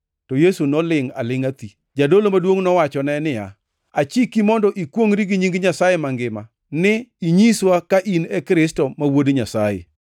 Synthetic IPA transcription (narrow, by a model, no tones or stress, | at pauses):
tɔjesunɔlɪŋa̰lɪŋat̪i | d͡ʒadolomadwoŋnɔwat͡ʃɔnɛnɪja̰ | at͡ʃikimɔndɔʔikwoŋɾiɡiɲiŋɡɲasajemaŋɡɪma | nɪiɲiswakaʔinekɾɪstɔmawodɲasajḛ